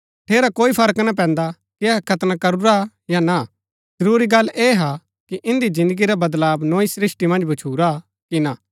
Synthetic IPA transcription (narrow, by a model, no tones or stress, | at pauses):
ʈʰeːɾakoːipʰɐɾəknap̬ɛ̃ːnd̪a | kiɛɦkʰɐt̪nakɐɾuɾa | jana | zɐɾuːɾiɡɐlːeːɦa | kiʔɪ̃nd̪izɪ̃nd̪əɡiɾabɐd̪laːbnoːisɾɪsʈimɐ̃nd͡ʒbɐt͡ʃʰuːɾa | kina